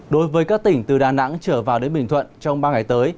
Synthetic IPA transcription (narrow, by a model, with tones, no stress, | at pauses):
ɗo˨˦jvəː˨˦jkaː˦˥k̚t̪ï˧˩ŋ̟t̪ɨ˨˩ɗaː˨˩na̰˧˥ŋt͡ɕəː˧˩vaː˨˩wɗe˨˦nɓï˧˩ŋ̟t̪ʰwə̰˧˨nt͡ɕɔ˧wŋ͡mɓaː˧ŋa˨˩jt̪əː˨˦j